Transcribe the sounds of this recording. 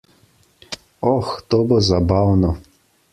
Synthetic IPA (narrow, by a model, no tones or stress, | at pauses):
ɔxt̪oːbozabawnɔ